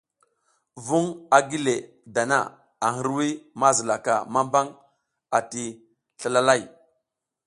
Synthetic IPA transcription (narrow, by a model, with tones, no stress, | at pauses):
vu˦ŋa˨ɡi˦le˨ | da˨na̰˦˨ | a˨ŋə˦ɾwi˦ma˦zə˨la˨ka˨ma˦mba˦ŋ | a˨ti˨ | ɬa˦˨la˦la˦˨j